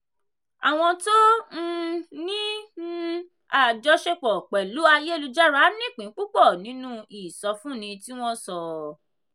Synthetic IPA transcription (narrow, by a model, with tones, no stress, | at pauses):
a̰˨w̃ɔ̃˧to˦n̩˦nĩ˦n̩˦ | a˨d͡ʒɔ˧˦ʃe˧k͡pɔ˨k͡pɛ˨lu˨˦a˧je˦˨lu˧d͡ʒa˦ɾa˨˦nĩ˦˨k͡pĩ˨˦k͡pu˦k͡pɔ˦˨nĩ˨˦nũ˦i˨sɔ˧fũ˦nĩ˧ti˦w̃ɔ̃˦sɔ˧